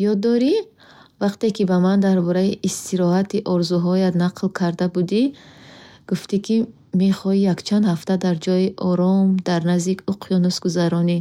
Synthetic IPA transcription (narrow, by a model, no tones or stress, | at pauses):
jɔd̪ːɔɾi | vaqt̪e̞kʰibamand̪aɾbɔɾaiʔist̪ʰiɾɔhat̪iʔɔɾzuɦɔjad̪naqʰlkʰaɾd̪abud̪i | ɡ̥uft̪ikʰi | meχɔijakt͡ʃʰand̪haft̪ad̪aɾd͡ʒɔjiʔɔɾɔmd̪aɾnazd̪ikʰuqʰijɔnusɡuzaɾɔni